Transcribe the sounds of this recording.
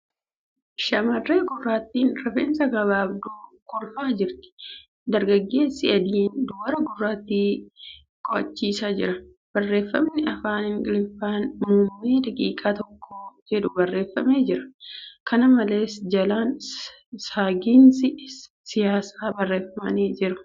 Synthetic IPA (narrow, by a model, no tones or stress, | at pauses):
ʃɐmɐrːe̞ːɡʊrːaːt̪ːiːnɾɐfḛːnsɐɡɐβaːbd̪okɔlfaːd͡ʒɪɾt̪ɪ̥ | d̪ɐɾɡɐɡːe̞ːsːɪɐd̪iːnd̪ʊbɐɾɐɡʊrːaːt̪ːiː | kʼɔʔɐt͡ʃːiːsaːd͡ʒɪ̰ɾɐ | b̥ɐrːe̞ːfːɐmnɪɐfaːnɪŋkʼɪlɪfːaːnmʊmːeːd̪ɐkʼḭːkʼaːt̪ɔkʰːoːd͡ʒɛᶑʊbɐrːe̞ːfːɐme̞ːd͡ʒɪɾɐ̥kɐnɐmɐle̞ːsd͡ʒɐlaːn | saːɡiːnsɪ | sɪjaːsaːbɐrːe̞ːfɐmɐneːd͡ʒɪɾɐ